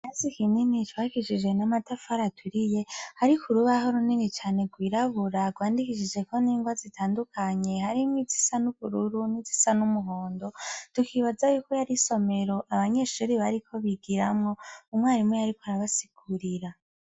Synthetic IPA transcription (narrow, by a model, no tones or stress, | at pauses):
nazikininitwakiʃid͡ʒwe̞namatafaɾatʰwiɾije̞haɾikʰuɾuβaɦoɾuninit͡ʃaːne̞ɡwiːɾaβuɾaɡwaːndikiʃid͡ʒe̞ko̞niːŋɡwazitʰaːndukʰaɲe̞haɾimwizi̥sanuβuɾuɾunizi̥sanumuɦo̞ːndo̞tukʰiβazajukojaɾiso̞me̞ɾo̞ʔaβaɲe̞ʃuɾiβaɾikʰo̞βiɡiɾamŋo̞umŋaːɾimwejaɾikoaɾaβasi̥ɡuɾiɾa